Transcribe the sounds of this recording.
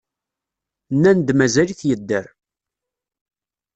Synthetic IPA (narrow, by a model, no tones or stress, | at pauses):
nːænd̪mæzæliθjəd̪ːəɾ